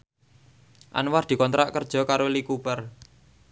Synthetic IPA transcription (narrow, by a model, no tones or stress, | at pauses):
ʔa̰nward̪̥i̤kɔnt̪ɾaʔkərd̥ʒ̥ɔ̤kaɾolikupər